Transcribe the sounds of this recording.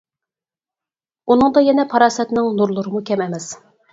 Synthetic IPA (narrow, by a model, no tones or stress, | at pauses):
unɨŋd̪ɑjɛnɛpʰɑɾɑːsɛt̪nɪŋnuɾlˠʊɾɨmukʲʰɛmɛmɛs